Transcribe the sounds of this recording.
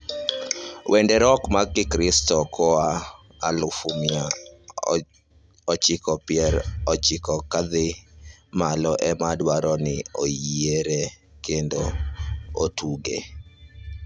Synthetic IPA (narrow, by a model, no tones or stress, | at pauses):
wʔendɛɾɔkmaɡɪkɾɪstɔkɔa | a̰lʊfumɪa | ɔt͡ʃɪkɔpɪɛɾɔt͡ʃɪkɔkad̪ɪmalɔʔɛmadwaɾɔnɪojieɾe | kendo | otuɡḛ